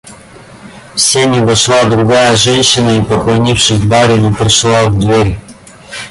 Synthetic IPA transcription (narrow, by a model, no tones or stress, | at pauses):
fsʲɛnʲivɐʃlˠad̪ɾuɡajəʒɛnʃinəipoklˠɐnʲifʃɪɣbaɾʲɛnipɾɛʃlˠavd̪vɛɾʲ